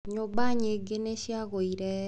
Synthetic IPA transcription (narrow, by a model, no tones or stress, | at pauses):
ɲobaɲeɡeneʃjaɣoiɾɛ